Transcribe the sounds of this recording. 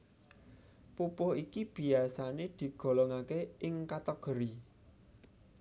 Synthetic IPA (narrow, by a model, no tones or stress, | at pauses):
pupʊɦikib̥i̤asaned̪̥i̤ɡ̥ɔ̤lɔŋakeɪŋkat̪ɔɡ̥ə̤ɾi